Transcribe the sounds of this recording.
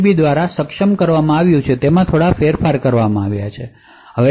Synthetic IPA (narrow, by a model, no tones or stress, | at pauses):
bid̪ʋaɾasəkʃəmkəɾʋamãaʋjũt͡ʃʰet̪emãt̪ʰoɽafeɾfaɾkəɾʋamãaʋjat͡ʃʰe | ɦəʋe